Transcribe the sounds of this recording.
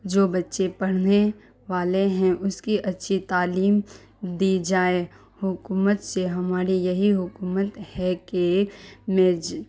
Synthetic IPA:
d͡ʒoːbɐtːʃepɐɽ̤ne | ʋaːleɦɛ̃ʔʊskiʔɐtːʃʰit̪aːliːm | d̪id͡ʒaːe | hʊkuːmət̪seɦɐmaːɾijɐɦiɦʊkuːmət̪hɛkemeːd͡ʒ

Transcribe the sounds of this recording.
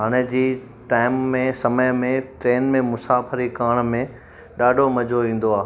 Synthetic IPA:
ɦaːɽ̃ed͡ʑiː | ʈaːɪmːẽsɐməjmẽʈɾeːnmẽmʊsaːfəɾikaːɽ̃mẽ | ɗaːɖʱomɐd͡ʑʱoʋĩːn̆d̪oaːɦ

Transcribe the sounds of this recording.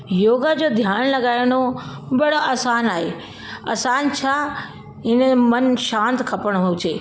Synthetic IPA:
joːɡəd͡ʑoːd̪ʱjaːɽ̃lɐɡaːjɪɽ̃obɐɽoʔɐːsaːnaːɦeː | ɐ̰ːsaːnt͡ɕʰaː | ɪnəmɐnʃãːnt̪kʰɐpəɽ̃ɦot͡ɕʰeː

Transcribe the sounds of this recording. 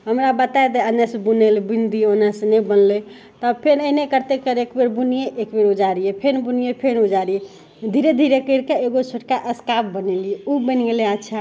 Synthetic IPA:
ɦəmɾabət̪aed̪eənːesẽbunelebind̪ionasenebənle | t̪ɔpʰenənekəɾt̪ekəɾekbeɾbunijeʔekbeɾud͡ʒaɾijepʰenbunijepʰenud͡ʒaɾie | d̪ʱiɾed̪ʱiɾekəɾkeeɡosʰoʈkaʔəskapbənɛlieubəneleətːt͡ʃʰa

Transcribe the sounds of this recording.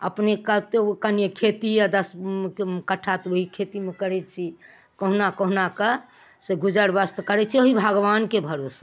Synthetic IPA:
ə̰pnekət̪ekənjekʰet̪ijad̪əs | kəʈʰːat̪woɦikʰet̪imekəɾɛt͡ʃʰi | kəɦunakəɦunakə | seɡud͡ʒəɾbəst̪kəɾɛt͡ʃʰioɦibʱəɡʋankebʱəɾos

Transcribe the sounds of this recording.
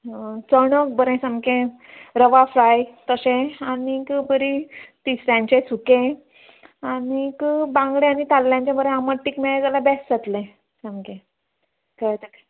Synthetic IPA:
t͡səɽ̃ək̚bəɾẽsãmkẽ | ɾəʋaflajt̪əɕẽanikbəɾit̪isɾjãɲt͡ɕẽsukẽ | anikəbãŋɡɭẽanit̪alːjãɲt͡ɕjabəɾẽaməʈːikmeɭkalabɛsd͡zat̪lẽ | sãmkẽ | kət̪ək

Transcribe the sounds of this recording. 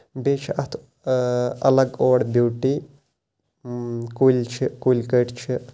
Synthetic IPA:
bet͡ʃʰiʔɐt̪ʰ | ɐlɐɡoːɽbjuːʈi | kulʲt͡ʃʰikulʲkəjʈt͡ʃʰi

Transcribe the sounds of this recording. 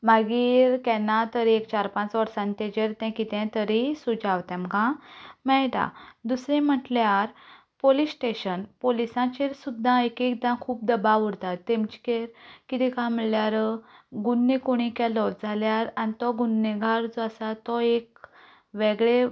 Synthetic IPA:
maɡiːɾkɛ̃nat̪əɾekt͡ɕaɾpãt͡sʋəɾsãnt̪ẽd͡ʑeɾt̪ɛ̃kit̪ɛ̃t̪əɾisud͡zaʋt̪ɛ̃mɡãmɛɭʈa̰d̪usɾɛ̃m̤əʈljaɾ | polisʈeɕənpolisãt͡ɕeɾsud̪ʱːaekek̚d̪ãkʰuːp̚d̪əbaʋuɽt̪at̪ːẽmt͡ɕi̥keɾkit̪ʰikaməɭljaɾɡunːẽkoɽ̃ikalɔt̪̚d͡zʱaljaɾanit̪ɔɡunːẽɡʱaɾd͡zɔasat̪ɔek | ʋeɡɭe

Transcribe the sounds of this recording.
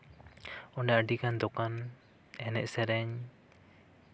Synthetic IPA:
ɔnɖaaɖikand̪ɔkan | ɛnɛ̰ʔsɛɾɛɲ

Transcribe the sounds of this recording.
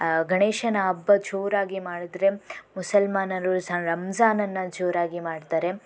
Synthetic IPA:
ɡɐɳeːʃɐnɐːbːɐt͡ʃoːɾaːɡimaːɽid̪ɾemusɐlmaːnɐɾusɐɾɐmzaːnɐnːɐd͡ʒoːɾaːɡimaːɽt̪aːɾe̞

